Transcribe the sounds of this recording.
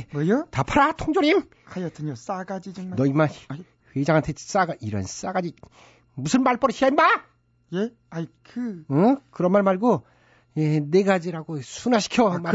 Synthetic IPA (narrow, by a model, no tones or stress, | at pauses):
mʌjotapʰaɾatʰoŋd͡ʑoɾim | kʰajʌɯɲos͈aɡad͡ʑid͡ʑɯŋnʌima | hwed͡ʑaŋantʰes͈aɡaiɾʌ̰ns͈aɡad͡ʑi | musʰɯnmaɭp͈ʌɾɕiaina | je | akʰɯʌkɯɾʌnmaɭmaɭɡo | jeneɡad͡ʑiɾaɡosʰunaɕʰi̥kʰjʌma